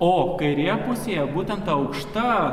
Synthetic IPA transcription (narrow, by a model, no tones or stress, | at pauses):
oːkɐɪɾʲejɛpʊsʲeːjɛbuːt̪ʲɛnt̪ɐɐʊkʃt̪ɐ